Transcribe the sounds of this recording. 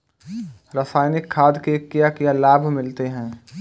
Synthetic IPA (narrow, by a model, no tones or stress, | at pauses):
ɾəsaːjnɪkʰːaːd̪kekːijakijalaːbʱmɪlt̪eɦɛ̃ː